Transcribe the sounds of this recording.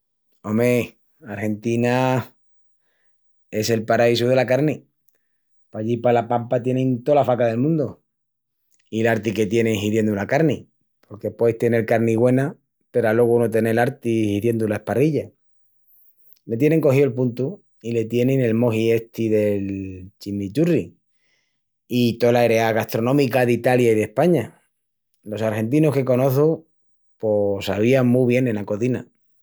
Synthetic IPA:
o̞me | aɾxe̞nt̪ina | e̞se̞lpaɾais̬uð̞e̞lakaɾni | paʎipalapampat̪je̞nẽnt̪o̞lafakaðelmũnd̪o | ilaɾt̪ike̞t̪je̞neŋɦiðje̞nd̪ulakaɾni | po̞ɾke̞pwejht̪ene̞ɾkaɾniɣwe̞na | pe̞ɾalwo̞ɣunot̪e̞ne̞laɾt̪ihiðje̞nd̪ulae̞hpariʎa | me̞t̪̬je̞ne̞ŋko̞ɦio̞lpunt̪u | ile̞t̪je̞nẽne̞lmo̞ɦie̞st̪iðe̞lt͡ʃimit͡ʃuri | it̪o̞laeɾe̞aɣast̪ɾo̞nõmikaðit̪aljaiðe̞hpaɲa | losaɾxe̞nt̪̬inoske̞ko̞no̞θu | posaβ̞iaŋmuβje̞nẽ̞nako̞θina̰

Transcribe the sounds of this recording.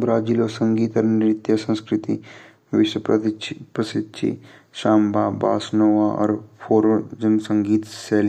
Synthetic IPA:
bɾaːd͡ʒiːloːsɐ̃ŋɡiːt̪ɔɾnɪɾt̪jɐsɐ̃nskɾɪt̪i | ʋɪʃwɐppɾɐsɪd̪ʃʰḭʃaːmbʱaːba̰ːsnoːʋaɔ̰ɾpʰoːɾod͡ʒɐnsɐ̃ŋɡiːt̪saːl

